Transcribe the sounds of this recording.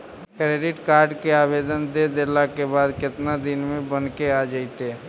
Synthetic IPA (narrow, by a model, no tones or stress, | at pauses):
kɾeːɖɪʈkaːɾɖkeaːbeːd̪ənd̪ed̪elakebaːd̪kɪt̪nad̪ɪnmẽbənkead͡ʒaɪt̪eː